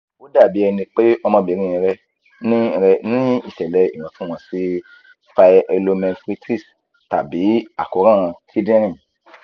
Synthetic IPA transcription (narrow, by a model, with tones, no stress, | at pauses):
wo˦da˦˨bi˨˦ɛ˧nĩ˧k͡pe˦ɔ˧mã˧bi˨˦ɾ̃ĩ˦ĩ˧ɾɛ˦ | nĩ˦˧ɾɛ˧nĩ˦i˦˨ʃɛ˨lɛ˨i˦˨w̃ɔ̃˨˦tũ˦w̃ɔ̃˨˦si˦ | fa˧e˧lo˧˦mɛ̃˧fɾi˦tɾi˦˨s | ta̰˨bi˨˦a˨ko˨˦ɾã˦˨ɾ̃ã˧ti˦dĩ˦ɾ̃ĩ˦˨